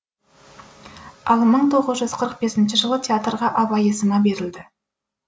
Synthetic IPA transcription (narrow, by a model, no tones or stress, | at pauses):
ɑlˠməɴt̪ʰo̞ʁəzʒʏzqʰəɾəq̚be̞sɪnʃɪʒəlˠət̪ʰʲeat̪rʁɑʔɑbɑjesəmɑbe̞ɾɪld̪ɪ